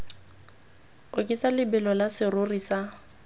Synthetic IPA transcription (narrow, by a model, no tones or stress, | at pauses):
ʊkʼɪsalɪbɪlɔlasɪrʊrisa